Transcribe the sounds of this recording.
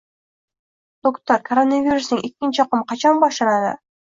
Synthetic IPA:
t̪okt̪ɑɾkɐɾonavʲiɾusnɯŋekʲːint͡ʃɑqumqʰɑt͡ʃɑnbɑʃɑɾɑd̪ɑ̰

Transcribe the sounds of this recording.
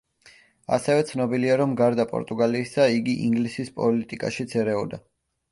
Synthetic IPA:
a̰sɛvɛt̪sʰnɔbiliaɾɔmɡaɾd̪apʼɔ̰ɾt̪ʼuɡaliːsaiɡiʔiŋɡlisispʼɔlit̪ʼikʼa̰ʃid̪sʰɛɾɛɔd̪a

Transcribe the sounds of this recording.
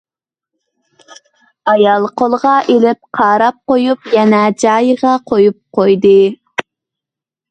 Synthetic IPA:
ɑjɑlˠqolˠʁɑʔelɪp̚qʰɑːɾɑp̚qojupjɛnɛd͡ʒɑjʁɑqʰojup̚qʰojd̪ɨ

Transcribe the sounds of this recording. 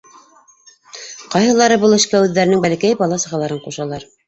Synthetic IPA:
qɑjɦɤ̆lˠɑɾɤbɤlˠɘ̆ʃkæʉðːæɾɘ̆nɘŋbælɘ̆kæjbɑlˠɑsɤ̆ʁɑlˠɑɾɤɴquʃɑlˠɑɾ

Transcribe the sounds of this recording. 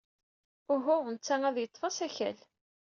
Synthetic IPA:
ʊɦʊʁnət͡sːææðjət̪ˤːfɑsæçæ̰l

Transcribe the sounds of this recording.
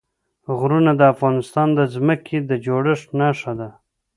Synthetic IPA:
ɣɾunad̪əafɣɑnɪst̪ɑnd̪əzməkʰed̪əd͡ʒoɽəʂnɑʂad̪a

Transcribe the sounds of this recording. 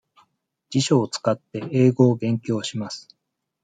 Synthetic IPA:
d͡ʑ̥iɕo̞ːt͡sɨ̥kat̪ːe̞e̞ːɡo̞ːɡẽ̞ŋkʲo̞ːɕimasɨ̥

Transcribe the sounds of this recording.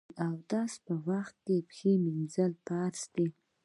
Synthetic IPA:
awd̪ɑspəwaxt̪̚kepxeminzəlpaɾsd̪̥i

